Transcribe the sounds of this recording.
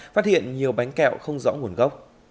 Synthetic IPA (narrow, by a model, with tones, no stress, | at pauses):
faː˦˥t̚hḭ˧˨ənɲi˨˩əwɓa˨˦jŋ̟kɛ̰˧˨wxə˧wŋ͡mzɔ̰˧˥ŋu˨˩ənɣə˦˥wk͡p̚